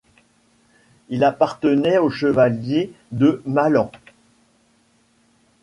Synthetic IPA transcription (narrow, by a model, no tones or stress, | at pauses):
ilapaʁt̪ənɛoʃəvaljed̪əmalɑ̃